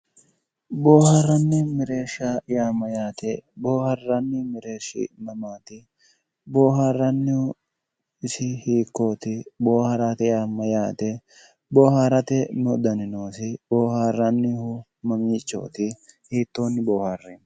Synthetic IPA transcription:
boːharːɐnːɪmɪɾe̞ːʃajaːmːɐjaːt̪ɛbo̞ːhɐrːɐnːɪmɪɾe̞ːʃːɪ̰nɐmaːt̪ɪ | bo̞ːharːɐnːɪʊ | ɪsɪhiːkːo̞ːt̪ɪboːhɐɾaːt̪ɛjaːmːɐjaːt̪ɛ | boːhaɾɐt̪ɛnʊd̪ɐnɪnoːsɪboːhaːrːɐnːɪhʊ | mɐmiːt͡ʃʼːo̞̰ːt̪ɪhiːt̪ːo̞ːnːɪboːharːɛn

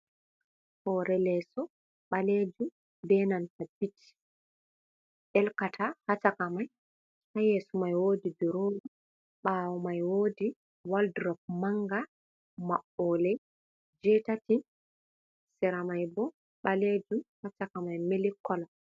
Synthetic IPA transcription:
hɔɾɛlɛsɔ | ɓaled͡ʒum | bɛnantabiti̥ | ʔɛlkatʰahat͡ʃakamaj | hajesumajwoːdibɛɾoːnu | ɓawɔmajwoːdi | waldɾɔk̚maŋɡa | maɓːɔlɛj | d͡ʒɛtatin | sɛɾamajbɔ | ɓaled͡ʒumhat͡ʃakamajmelikːɔla

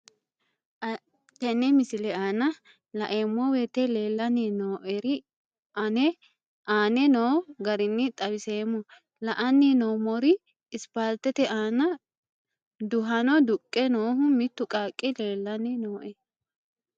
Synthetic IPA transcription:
t̪ɛnɛmɪsɪlɛaːnɐ | lɐʔeːmːɔwɛt̪ɛleːlːɐnɪnoːʔɛɾɪ | nɛ | ʔaːnɛnoːɡɐɾɪnːɪt̪ʼɐwɪseːmːɔ | lɐʔɐnːɪnoːmɔɾɪ | ɪspalt̪ːɛt̪ɛʔaːnɐ | d̪ʊɦɐnɔd̪ʊkʼːɛnoːɦʊmɪt̪ːʊkʼaːkʼːɪle̞ːlːɐnɪnoːʔɛ

